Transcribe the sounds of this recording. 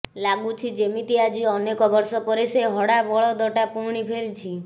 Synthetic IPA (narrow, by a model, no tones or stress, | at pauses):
laɡut͡ʃʰid͡ʒemit̪iad͡ʒiɔnekɔbɔɾsɔpɔɾeseɦɔɽabɔɭɔd̪ɔʈapuɽ̃ipʰeɾt͡ʃʰi